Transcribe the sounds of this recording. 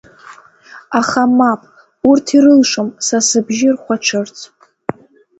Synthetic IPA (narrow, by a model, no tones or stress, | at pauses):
aχamapʼ | urtʰiɾɨlʂomsasɨbʒɪrχʷaʈ͡ʂʷʰɨrt͡sʰ